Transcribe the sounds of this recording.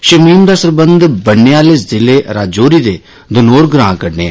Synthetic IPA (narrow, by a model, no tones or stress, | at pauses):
ʃəmiːmd̪aːsəɾbənd̪bəɳːeːaːleːszɪleːɾaːd͡ʒoːɾiːd̪eː | d̪ʊnoːɾɡɾã̰ːkəɾneːɛ̰ː